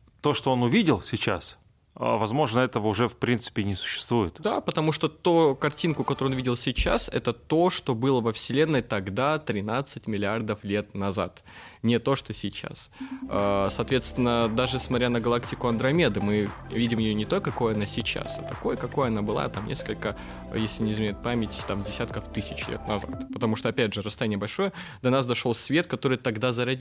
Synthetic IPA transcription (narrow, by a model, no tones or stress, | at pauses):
t̪o̞ʂt̪oonʊvʲidʲɪlˠsʲɪt͡ɕas | vɐzmo̞ʐnəɛt̪əvəʊʐɛfpɾʲint̪sɨ̥pʲɪnʲɪsʊ̥ɕːɪ̥st̪vujɪt̪d̪apət̪ɐmuʂt̪ot̪ukɐrtʲinkʊkɐt̪oɾɨonvʲidʲɪlˠsʲɪt͡ɕa̰sɛ̰t̪ət̪o̞ʂt̪o̞bɨlˠəvəfsʲɪlʲe̞nːəjt̪ɐɡd̪at̪ɾʲɪnat̪sɨtʲmʲɪlʲɪard̪əflʲe̞t̪nɐza̰t̪ | nʲɪt̪o̞ʂt̪osʲɪt͡ɕa̰sasɐːt̪vʲe̞t̪st̪vʲɪnːəd̪aʐɨsmɐt̪ʲɾʲanəɡɐlˠaktʲɪkʊɐnd̪ɾɐmʲe̞d̪ɨmɨvʲidʲɪmjɪjonʲɪt̪okɐko̞jəɐnasʲɪt͡ɕa̰sɐ̰t̪ɐko̞jkɐko̞jəɐnabɨlˠa̰t̪amnʲe̞̰skəlʲkə | jesʲlʲɪnʲɪzmʲenʲɪt̪̚pamʲɪtʲt̪amdʲɪsʲat̪kəft̪ɨsʲɪt͡ɕlʲḛt̪nɐza̰t̪pət̪ɐmuʂt̪oɐpʲædʲʐɨɾəst̪ɐjanʲɪjəbɐlʲʂo̞jəd̪ɐnasd̪ɐʂo̞lˠsʲvʲe̞t̪kɐt̪o̞ɾɨjt̪ɐɡd̪azəɾɐdʲi